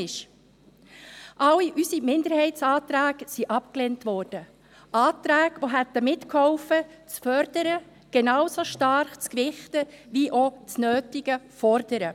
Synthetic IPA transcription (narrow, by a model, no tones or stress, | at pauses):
ɪʃ | ʔɑliʔysimɪnd̪əɾhɛɪt͡sɑːt̪ɾæːksiʔɑp̚klentʋɔːɾd̥ə | ʔɑːtɾæːɡʋoɦɛt̪ːəmɪtkʰhɔʊfə | t͡sfœɾd̥əɾə | ɡ̥ɛnɑːwsoʃtɑɾχt͡skʋɪχtəʋiʔɔt͡snøːtɪɡəfɔɾd̥əɾə